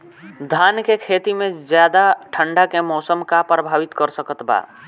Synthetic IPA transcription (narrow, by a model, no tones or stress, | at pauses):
d̪ʱaːnkekʰeːt̪imẽzjaːd̪aʈʰəɳɖakemɔːsəmkapɾəbʱaːʋit̪kəɾsəkət̪ba̰ː